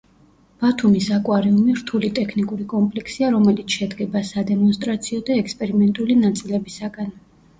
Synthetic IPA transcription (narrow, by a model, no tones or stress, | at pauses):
b̥at̪ʰumisakʼwaɾiumiɾt̪ʰulit̪ʼɛkʰnikʼuɾikʼɔmpʼlɛkʰsiaɾɔmɛlit̪sʰʃɛd̪ɡɛbasad̪ɛmɔnst̪ʼɾat̪sʰiɔd̪aɛkspʼɛɾimɛnt̪ʼulinat̪sʼilɛbisaɡan